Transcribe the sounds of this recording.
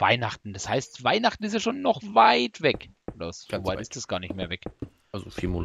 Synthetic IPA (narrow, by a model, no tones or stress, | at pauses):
va̰ɪnaχtn̩d̥ashaɪstvaɪnaχtn̩ɪs̬tjaʃoːnːɔχvaɪtvɛkːdɐ̥oːvaɪtɪsd̥asɡ̥aːɐnɪçtmeːɐvɛk | azofimo